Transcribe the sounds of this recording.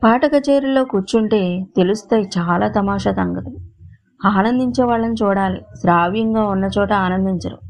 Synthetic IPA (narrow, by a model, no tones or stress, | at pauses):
paːʈɐkɐt͡ʃeːɾilo̞ːkut͡ʃːuɳʈeːt̪elust̪ɐːjt͡ʃaːlaːt̪ɐmaːʂaːt̪ɐŋɡɐt̪u | aːnɐnd̪ʱiɲt͡ʃɛːʋaːɭːɐnit͡ʃuːɽaːlḭsɾaːʋjɐŋɡaːunːɐt͡ʃɔːʈɐaːnɐnd̪ʱiɲt͡ʃɐɾṵ